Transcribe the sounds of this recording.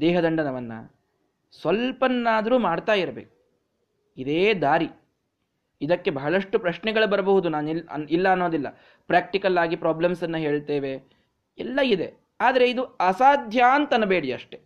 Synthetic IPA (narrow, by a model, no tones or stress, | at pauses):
d̪ɛːɦɐd̪ɐɳɖɐnɐʋɐnːɐ̰ | sʋɐlpɐnːaːd̪ɐɾuːmaːɖt̪aːjiɾɐbḛːku̥ | id̪eːd̪aːɾi | id̪ɐkːe̞bɐɦɐɭɐʂʈːupɾɐʃnɛɡɐɭubɐɾɐbɐɦud̪unaːniɐ̰nilːɐːnːo̞ːd̪ilːɐ̰ | pɾaːk̚ʈikɐlaːɡipɾaːblɐmsɐnːɐɦe̞ːɭt̪eːʋe | ɛlːɐid̪e̞̰ | aːd̪ɐɾe̞id̪uɐsaːd̪ʱjaːnt̪ɐnɐbeːɽiɐ̰ʂʈe̞